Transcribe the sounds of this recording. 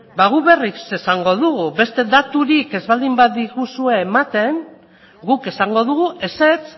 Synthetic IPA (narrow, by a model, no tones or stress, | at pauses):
baɣuβe̞rise̞saŋɡo̞ðuɣuβe̞st̪e̞d̪at̪uɾike̞zβald̪imbat̪d̪iɣusue̞ːmat̪e̞n | ɡuke̞saŋɡo̞ð̞uɣuʔe̞se̞t͡s